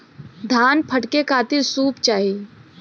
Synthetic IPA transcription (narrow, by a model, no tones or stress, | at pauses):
d̪ʱaːnpʰəʈkekaːt̪isuːpt͡ʃaːɦi